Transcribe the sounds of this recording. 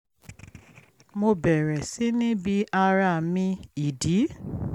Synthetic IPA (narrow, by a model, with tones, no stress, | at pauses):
mo˧bɛ˨ɾɛ˨si˨˦nĩ˦bi˧˦a˧ɾa˧˨mĩ˧i˨di˨˦